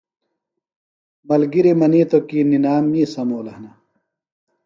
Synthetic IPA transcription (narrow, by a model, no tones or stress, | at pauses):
mɐlɡiɾimɐniːt̪okiːninaːmːiːsɐmoːlɐhnɐ